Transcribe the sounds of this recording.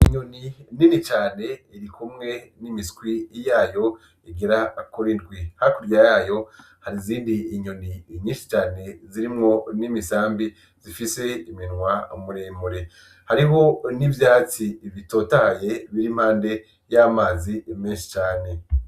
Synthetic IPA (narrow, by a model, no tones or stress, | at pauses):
iɲonininit͡ʃaːne̞iɾikumŋe̞nimiskwijaːjo̞ | iɡeɾakoɾindɡwihakuɾjajaːjo̞ | haɾiziːndiːɲoniɲiːnʃi̥t͡ʃaːne̞ziɾimŋo̞nimisaːmbi | zifise̞iminŋwamuɾeːmuɾe̞ | haɾiɦo̞nivjaːt͡siβito̞ːtahajeβiɾim̥haːnde̞ | jamaːzimeːnʃi̥t͡ʃaːne̞